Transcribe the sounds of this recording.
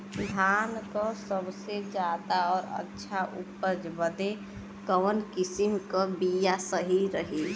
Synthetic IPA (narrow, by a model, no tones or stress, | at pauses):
d̪ʱankəsəbsed͡ʒjaːd̪aɔːɾə̰tːʃʰaʔupəd͡ʒbəd̪e | kəʋənkisimkəbijasəɦiɾəɦi